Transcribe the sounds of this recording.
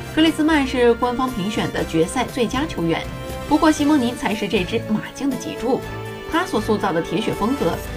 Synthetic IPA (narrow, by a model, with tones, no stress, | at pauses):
kʰɤ˥˧li˥˩sɹ̩˥ma˥˧nʂɻ̩˥˩kwa˥nfɑ˥ŋpʰi˧˥ŋɕɥɛ˨˩nd̪ə˦t͡ɕɥɛ˧˥sa˥˧ɪt͡swe˥˩ɪt͡ɕja˥t͡ɕʰjo˧˥ʊɥɛ̰˧˥˦n | pu˧˥kwɔ˥˩ɕi˥mɤ˧˥ŋni˧˥nt͡sʰa˧˥ɪʂɻ̩˥˧ʈ͡ʂɤ˥˧˩ʈ͡ʂɻ̩˥ma˨˩t͡ɕi˥˩ŋd̪ə˩t͡ɕḭ˨˩ʈ͡ʂu˥˩ | t̪ʰa˥swɔ˨˩su˥˧t͡sɑ˥˩ʊd̪ə˩t̪ʰjɛ˧˥ɕɥɛ˨˩fɤ˥ŋt͡sɤ˧˥